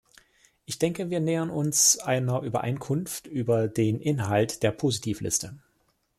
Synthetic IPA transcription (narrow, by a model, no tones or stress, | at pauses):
ʔɪçd̥ɛŋkəviːɐneːʁənʊnsʔaɪnɐʔyːbɐ̰ʔa̰ɪnkʰʊnftʔyːbɐdeːnʔɪnɦaltd̥eːɐpʰoːzitʰiːflʔɪ̰stə